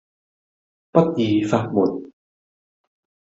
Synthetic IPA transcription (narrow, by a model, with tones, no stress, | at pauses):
pɐ˥t̚jiː˨˧faː˧t̚muː˨˩˦n̚